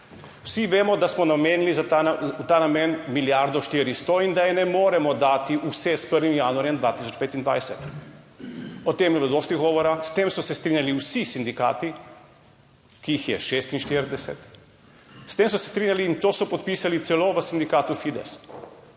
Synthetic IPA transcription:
wsiʋeːmɔd̪asmɔnameːnilizaaut̪aːnamenmiljaɾd̪ɔʃt̪iːɾist̪ɔind̪ajɛnɛmoːɾɛmɔd̪aːt̪iʔusɛspəɾʋimjaːnuaɾjɛmd̪ʋat̪isɔt͡ʃpeːt̪ind̪ʋa̰jsɛt̪ | ɔt̪emjɛblod̪ost̪iɣɡɔːʋɔɾast̪emsɔsɛst̪ɾiːnʲjaliwsisind̪ika̰ːt̪i | kiixjɛʃeːst̪inʃt̪iːɾd̪ɛsɛ̰t̪ | st̪eːmsɔsɛ̥st̪ɾiːnʲjaliːnt̪oːsɔpɔt̪̚piːsalit̪sɛloʋəsind̪ikaːt̪ufid̪ɛ̰s

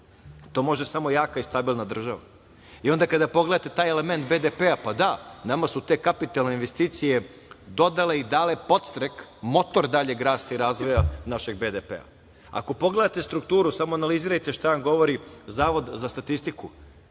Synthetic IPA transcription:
t̪o̞ːmo̞ʒd̪esamo̞jaːkaist̪abilˠnad̪r̩ʒaʋa̰ | io̞nd̪akad̪apo̞ɡleat̪e̞t̪aːjeleme̞nt̪̚bed̪epeapad̪anamasut̪e̞kapit̪alˠne̞inʋe̞st̪iːt̪sije̞ | d̪o̞d̪ale̞id̪alepo̞t̪st̪ɾekmo̞t̪o̞ɾd̪aʎe̞ɡɾaːst̪aiɾaːzʋo̞janaʃe̞ɡ̚bed̪epḛa̰ | a̰ko̞po̞ɡle̞d̪at̪e̞st̪ɾukt̪uːɾusamoanaliziːɾajt̪eʃt̪aanɡo̞ʋo̞ɾizaːʋo̞d̪zast̪at̪ist̪iku

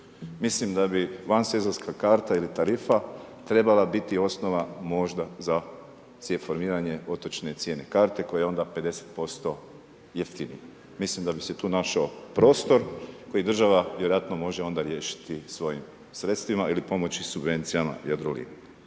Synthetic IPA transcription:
mislimd̪abiʋansezoɾskʰakaːɾt̪ailit̪aɾifat̪ɾe̞balabit̪io̞sno̞ʋamo̞ʒd̪aza | t̪sjefo̞ɾmiːɾaɲe̞o̞t̪ot͡ʃne̞t̪sje̞ːne̞kaːɾt̪e̞ko̞jeo̞nd̪ape̞d̪e̞se̥t̪̚po̞st̪o̞ | jeft̪inḭj | mislimd̪abise̞t̪uːnaʃaopɾo̞ːst̪o̞ɾko̞jid̪rʒaʋaʋjeɾo̞jat̪nomo̞ʒeo̞nd̪aɾje̞ːʃi̥t̪isʋo̞jḭm | sɾe̞t̪st̪ʋimaʔilipo̞mo̞t͡ɕisubʋe̞nt̪sijama̰jad̪ɾolḭːn

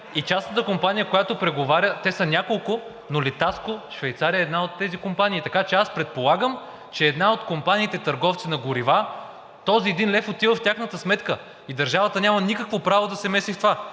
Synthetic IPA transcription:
it͡ʃasnət̪əkompanʲijəkojat̪opɾɛɡovaɾʲət̪ɛsənʲakolˠkʊ | nolit̪askoʃvɛjt̪saɾijəɛːd̪naot̪ːɛzikompaniːt̪ɐkat͡ʃɛaspɾɛt̪̚polˠaɡəm | t͡ʃɛːd̪naot̪kompaniːt̪ɛt̪ɐɾɡɔft̪sinɐɡʊɾiva | t̪ɔziɛd̪inlɛfot̪ivəft̪ʲaxnət̪əsmɛt̪kə | id̪ɐɾʒavət̪ənʲamɐnikəkvopɾavod̪ɐsɛmɛsift̪ova

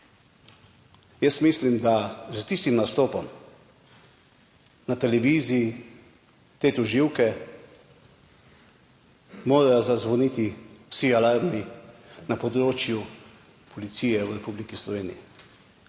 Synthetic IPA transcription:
jəsmislimd̪azət̪ist̪imnast̪oːpɔm | nat̪ɛlɛʋiːziː | t̪eːt̪ɔʒiwkɛ | moːɾajazazʋɔnit̪iwsialaɾninapɔd̪ɾoːt͡ʃju | pʰɔlit̪siːjɛwɾɛpublikislɔʋeːnḭjḭ

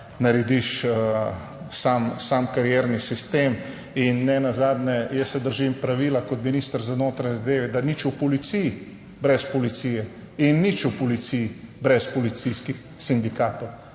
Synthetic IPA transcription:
naɾɛd̪iʃ | samsaːmkaɾjɛːɾnisist̪eːm | inːɛnazaːd̪nɛjɛsːɛd̪əɾʒimpɾaʋilakɔt̪minist̪əɾzanoːt̪ɾaɲɛzad̪eːʋɛd̪anit͡ʃupɔlit̪sij | bɾɛspɔlit̪siːjɛ | inːit͡ʃupɔlit̪sijbɾɛspɔlit̪siskix | sind̪ikaːt̪ow

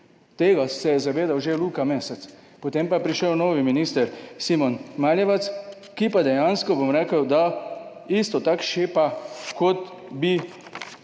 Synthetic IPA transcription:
t̪eːɡasɛjɛzaʋeːd̪awʒeluːkameːsɛt̪s | pot̪eːmpajɛpɾiʃəwnoːʋiminist̪əɾsimɔnmaːljɛʋat̪s | kipad̪ɛjaːnskɔbomɾɛːkəwd̪a | ist̪ɔt̪akʃeːpakɔt̪ | bi

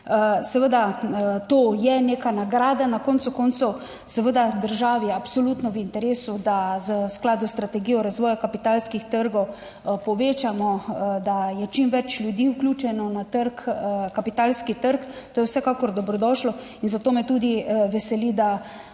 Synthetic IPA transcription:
sɛʋəd̪at̪oːjɛneːkanaɡɾaːd̪anakɔnt̪sukɔnt̪sɔw | sɛʋəd̪ad̪əɾʒaːʋiapsɔlut̪nɔʋint̪ɛɾeːsud̪azəsklaːd̪ust̪ɾat̪ɛɡiːjɔɾazʋɔːjakapit̪aːlskixt̪əɾɡɔw | pɔʋeːt͡ʃamɔd̪ajɛt͡ʃimʋɛt͡ʃlʲjud̪iːuklʲuːt͡ʃɛnɔnat̪əɾkkapit̪aːlskit̪əɾkt̪oːjɛwsɛkaːkɔɾd̪ɔbɾɔd̪ɔːʃlɔ | inzat̪oːmɛt̪uːd̪iʋɛsɛlid̪a

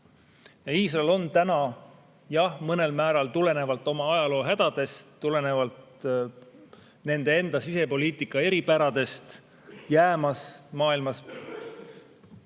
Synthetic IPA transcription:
jɑiːsrɑelo̞nt̪ænɑ | jɑhmɤne̞lmæːɾɑlt̪ule̞ne̞vɑlt̪ːˑo̞mɑɑjɑlo̞ːɦæd̪̥ɑd̪̥e̞st̪ːule̞ne̞vɑlt̪ | ne̞nd̪̥e̞e̞nd̪̥ɑsise̞po̞lʲiːt̪ˑikːˑɑe̞ɾipæɾɑd̪̥e̞st̪ | jæːmɑsmɑːilmɑs

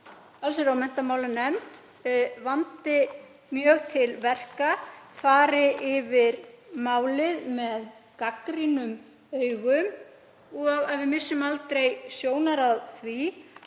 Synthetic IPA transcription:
alsɛɾawmɛn̥t̪amaːwlanɛmt̪ | vant̪ɪ | mjœːɣt̪ʰɪlvɛr̥kafaːɾɪʔɪvɪɾmaːwlɪðmɛðkakɾinʏm | œːɥɣʏm | ɔɣaðvɪmɪsːʏmalt̪ɾejsjoːwnaɾaðθvi

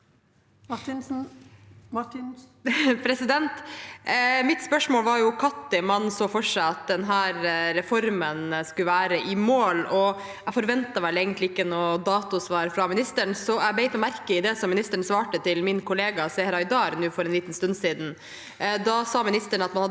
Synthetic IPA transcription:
pʰɾɛsɪd̪ɛnt̪ | mɪt̪spœʂmoːlʋɑɾjʊkʰɑt̪ːɪmɑnsoːfɔʂæɪɑt̪̚d̪ɛnɦæːɾɾɛfɔɾmənskʉlʋæːɾəʔɪmoːlɔ | ɛfɔɾʋɛnt̪ɑʋæːɭəɛɪɡənt̪lɪɪkːənoːd̪ɑːt̪ʊsʋɑːɾfɾɑmɪnɪst̪əɳsɔɛbɛɪt̪ɔmæɾkəɪd̪ɛsɔmːɪnɪst̪əɳ̩sʋɑːʈət̪ʰɪlmɪnkʰʊleːɡɑsɛɾɑɪd̪ɑːɾnʉːfɔɾɛnliːt̪n̩st̪ʉnsiːd̪n̩ | d̪ɑsɑːmɪnɪst̪əɳɑt̪mɑnhɑ

